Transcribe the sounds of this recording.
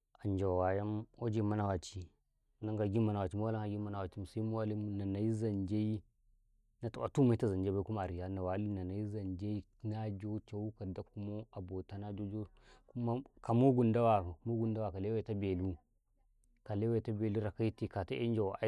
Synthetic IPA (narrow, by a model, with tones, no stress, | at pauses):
a˨nd͡ʒa˨wwa˨ja˦mo˦d͡ʒe˦˨ma˦na˦˨wa˨t͡ʃi˦˨ | na˦ŋɡa˨ɡi˦mːa˨na˨wa˨t͡ʃi˦mu˦a˦la˦ŋa˨ɡi˦ma˦na˨wa˨t͡ʃi˦mu˨sa˦i˦mu˦wa˦li˦mu˦na˨na˨i˦za˨nd͡ʒe˦i˦ | na˨ta˨ʔa̰˨tu˦ma˦ta˦za˨nd͡ʒe˦ba˦ku˦ma˦˨ɾi˨ja˦na˨wa˨˦li˦na˨na˨i˦za˨nd͡ʒe˦i˦na˦d͡ʒo˦t͡ʃa˦u˦ka˨da˦ku˦mo˦a˨bo˨ta˦na˦d͡ʒo˦d͡ʒo˦ | ku˦ma˦ka˨mo˦ɡu˨nda˦wa˨mo˦ɡu˦nda˦wa˨ka˨le˦wa˦˨ta˦be˨lu˦ | ka˨le˦wa˦˨ta˦be˨lu˦ɾa˨ka˦i˦ti˨ka˨ta˦ʔḛ˦n˦d͡ʒa˨wa˨˦